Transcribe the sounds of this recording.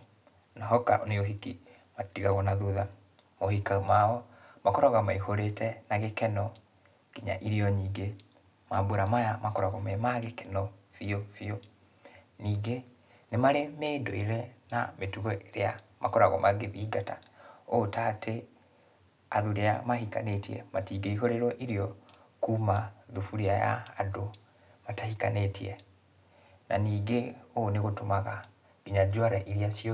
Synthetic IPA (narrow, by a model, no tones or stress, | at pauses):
naɦɔka̰ʔoneoɦiki | matiɣaɣɔnaðuða | mohikamaɔmakɔɾaɣamaihoɾetɛnaɣekɛnɔ | ɡ̥iɲa̰ʔiɾiɔɲiːŋɡe | mabweɾamajamakɔɾaɣɔmɛmaɣekɛnɔfiofio | niːɡe | nemaɾemendoiɾɛnametuɣɔʔeɾeamakɔɾaɣɔ̰maɡeðiɡataotatʰe | aðuɾeamaɦika̰netiɛ̰matiːɡeiɦoɾeɾɔʔiɾiɔ | kuːmaðufuɾiaja̰ːdo | matahikanetiɛ | na̰niːɡeoneɣotomaɣa | ɡiɲad͡ʒwaɾaʔiɾiasiɔ